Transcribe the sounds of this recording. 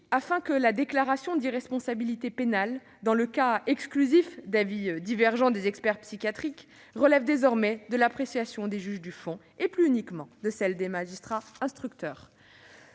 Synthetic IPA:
afɛ̃kəlad̪eklaʁasjɔ̃d̪iʁɛspɔ̃sabilit̪epenal | d̪ɑ̃ləkaɛksklyzifd̪avid̪ivɛʁʒɑ̃d̪ezɛkspɛʁpsikʲjat̪χik | ʁəlɛvd̪ezɔʁmɛd̪əlapχesjasjɔ̃d̪eʒyʒd̪yfɔ̃ | eplyynikmɑ̃d̪əsɛld̪emaʒist̪χaɛ̃st̪χyk̚t̪œːʁ

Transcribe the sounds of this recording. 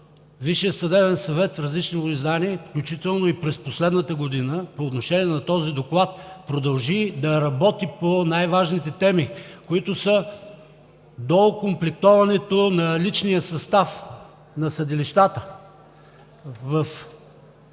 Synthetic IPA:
viʃiəsɐd̪ɛvɛnsɐvɛt̪fɾɐzlit͡ʃniizd̪aniɛfklʲut͡ʃit̪ɛlˠnoipɾɛsposlɛd̪nət̪əɡod̪inəpooːt̪noʃɛniɛnɐt̪ɔzid̪oklˠat̪̚pɾod̪ɐlˠʒid̪ɐɾɐbɔt̪iponajvaʒnit̪ɛt̪ɛmikoit̪osə | d̪okomplɛk̚t̪ɔvɐnɛt̪onɐlit͡ʃnijəsɐst̪af | nɐsɐd̪iliʃt̪at̪ə | vɐf

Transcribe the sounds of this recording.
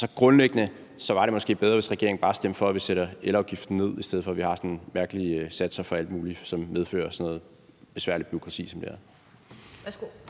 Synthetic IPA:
sɒ̽ɡ̥ʁɔ̽nleɡ̥ənə | sɒ̽ʋɑ̈ɾe̝mɒ̽sɡ̥e̝̰ːbeð̞ˠʁɐʋe̝sʁɛɡ̥e̝ɐeŋ̩bɑ̈ːsd̥em̰fɒ̽æʋiseɾɐelɒ̈ʊɡ̥ifd̥n̩ne̝ð̰ˠisd̥eð̞̰̩ˠfɒ̽ʋihɑ̈sɒ̽nmæɐɡ̥əlisæd̥sɐfɒ̽æl̰d̥muːlisɒ̽mmeð̞ˠfø̰ːɐsɒ̽nɔ̽ːð̩ˠ | b̥e̝sʋæɐlid̥̚b̥yo̝kʰʁɑ̈t͡sʰḭːsɒ̽md̥eæɐ

